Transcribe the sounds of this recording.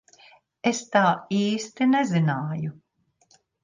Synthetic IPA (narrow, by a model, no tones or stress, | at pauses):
est̪aːiːst̪inɛzinaːju